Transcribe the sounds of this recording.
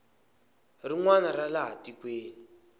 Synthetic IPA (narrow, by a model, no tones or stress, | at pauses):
riŋwanaɾalaɦatikweːni